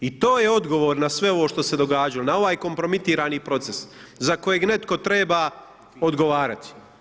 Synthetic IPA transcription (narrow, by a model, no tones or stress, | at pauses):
it̪o̞ːje̞o̞d̪ɡo̞ʋo̞ːɾnasʋe̞o̞ʋoʃt̪o̞se̞d̪o̞ɡaːd͡ʒalonao̞ʋaːjko̞mpɾo̞mit̪iːɾaːniːpɾo̞t̪se̞szako̞je̞ɡne̞t̪ko̞t̪ɾe̞ːbaː | o̞d̪ɡo̞ʋaːɾat̪i̥